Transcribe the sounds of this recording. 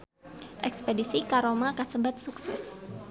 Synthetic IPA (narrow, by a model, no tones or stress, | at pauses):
ʔɛkspedisikaɾomakasəbat̪̚suksɛ̰s